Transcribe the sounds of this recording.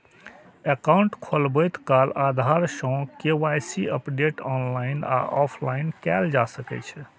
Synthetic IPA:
ekawɳʈkʰolbɔjt̪kalad̪ʱaɾsə̃kewajsiəpɖeʈɔnlaina̰ʔɔpʰlainkɛld͡ʒasəkɛ̰t͡ʃʰɛ

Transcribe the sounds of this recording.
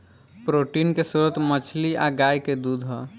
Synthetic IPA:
pɾoːʈinkesuɾət̪mət͡ʃʰliʔa̰ɡaːjked̪ud̪ʱɦɔ

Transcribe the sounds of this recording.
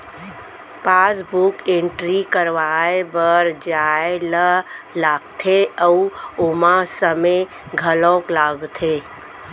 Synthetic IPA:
paːsbukẽɳʈɾikəɾʋaːebəɾd͡ʒaːeləlaːɡt̪ʰeəuomasəme | ɡʱəlɔ̃ːklaːɡt̪ʰe

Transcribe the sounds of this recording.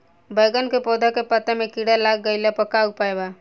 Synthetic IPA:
bəːɡənkepoːd̪ʱakepət̪emẽkiɽalaːɡ̚ːəɪlapəkaːɡ̚paːjbaː

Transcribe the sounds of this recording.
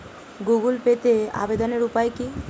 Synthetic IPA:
ɡuɡulpet̪ea̰bed̪oneɾupaeki

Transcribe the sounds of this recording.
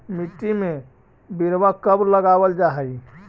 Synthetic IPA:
miʈːime | biɾʋakəbɾləɡabəld͡ʒaɦəj

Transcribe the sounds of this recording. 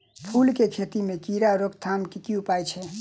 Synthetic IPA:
pʰulkekʰet̪imekiɾaɾokt̪ʰamkikiupajt͡ʃʰɛ

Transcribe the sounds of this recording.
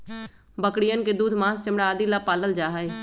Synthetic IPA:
bəkɽɪjənkeːd̪uːd̪ʱmãːst͡ʃəmɽaːd̪iːlaːpaːləld͡ʒaːɦəeː

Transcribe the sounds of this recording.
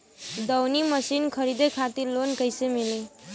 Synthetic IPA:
d̪ʌwniməsinkʰəɾid̪ekʰat̪iɾlonkəjsemili

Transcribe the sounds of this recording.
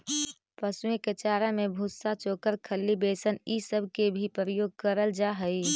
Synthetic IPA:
pəsueket͡ʃaːɾamẽbʱʊsat͡ʃoːkəɾkʰəlːibeːsənisəbʱkebʱipɾɾəjoːɡ̚kəɾəld͡ʒaɦəi

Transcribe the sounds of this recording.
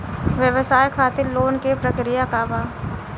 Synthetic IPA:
ʋjəʋsaːjkʰaːt̪iɾloːnkepɾəkɾijakabaː

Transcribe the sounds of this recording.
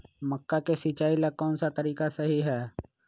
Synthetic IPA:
məkːakesit͡ʃaːilaɡ̚kɔːnsat̪ɐɾiːkasɐɦiɦɛː

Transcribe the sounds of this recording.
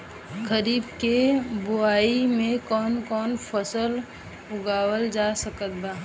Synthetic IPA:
kəɾiːbkebʊaːimẽkɔːnkɔːnfʰəsəl | ʊɡaːwəld͡ʒasəkət̪̚baː

